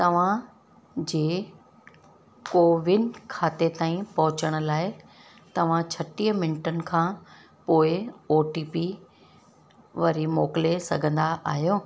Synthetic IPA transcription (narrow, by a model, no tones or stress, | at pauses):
t̪ɐʋ̤ã | d͡ʑeː | koːʋɪnkʰaːt̪et̪aːĩpɐɦʊt͡ɕəɽ̃ʊ̆laːɪ | t̪ɐʋ̤ãt͡ɕʰɐʈiːəmɪnʈənɪ̆kʰãː | poːɪoːʈiːpi | ʋɐɾimoːkɪlesɐɡʱə̃nd̪aʔa̰ːɦjoː